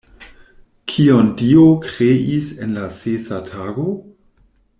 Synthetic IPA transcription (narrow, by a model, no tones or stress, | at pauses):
kʰiondiokʁeisenlasesatʰaːɡo